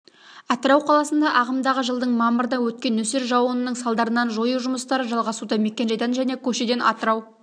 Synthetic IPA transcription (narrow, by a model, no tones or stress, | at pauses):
ɑt̪əɾɑwqʰɑlˠɑsənd̪ɑʔɑʁəmd̪ɑʁəʒəlˠd̪əɴmɑməɾəd̪ɑwɵt̪̚kʲe̞nɵse̞ɾʒɑwənənəɴsɑlˠd̪ɑɾənɑnʒo̞juʒʊməst̪ɑɾəʒɑlˠʁɑsud̪ɑme̞kʲːe̞nʒɑjt̪ɑnʒæne̞kʲʰɵʃe̞d̪e̞nʔɑ̰t̪əɾɑw